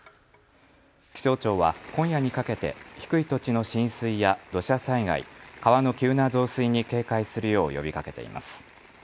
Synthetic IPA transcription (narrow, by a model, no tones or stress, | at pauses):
kʲi̥so̞ːt͡ɕo̞ːβa̰kõ̞ɰ̃jaɲ̟ikake̞t̪e̞̰çi̥kɯ̟it̪o̞t͡ɕino̞ɕĩɰ̃sɨijad̪̥o̞ɕasaiɡa̰ḭkaβano̞kʲɨːnazo̞ːsɨiɲ̟ike̞ːkaisɨɾɯ̟jo̞ːjo̞̰bʲikake̞t̪e̞̰ḭma̰sɨ̥